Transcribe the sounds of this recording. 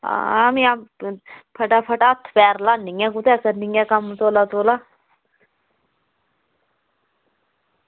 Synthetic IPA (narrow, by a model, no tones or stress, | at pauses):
a̰amiam | pʰɐʈapʰəʈaːt̪ʰpɛːɾlaːniŋɡɛ̃kut̪ɛkəɾniŋɛkamt̪oːlat̪oːla